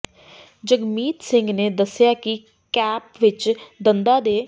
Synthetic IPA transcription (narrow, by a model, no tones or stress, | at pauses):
d͡ʒəɡmiːt̪sɪŋɡneːd̪əsːɪjaːkɪ | kɛːpʋɪt͡ʃd̪ənd̪aːd̪eː